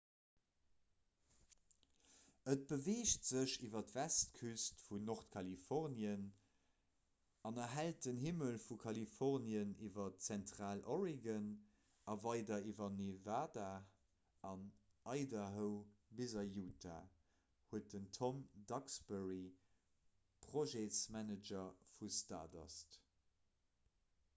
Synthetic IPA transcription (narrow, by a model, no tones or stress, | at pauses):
ət̚b̥əveːʃtz̥əɕivɐtv̥æstkʰystfunoʁtkʰɑlifɔʁnjən | ɑnɐɦælt̚dənhiməlfukʰɑlifɔʁnjəniːvɐtt͡sæntʁaːlʔoʁiɡən | ɑvɑɪdɐivɐnevaːda | ɑn | ʔɑɪdɐɦəʊbizɐjuːtʰa̰ | huət̚dəntʰomdɑksbɛʁi | pʁ̥oʒesmænəd͡ʒɐfusta̰ːdɑ̰st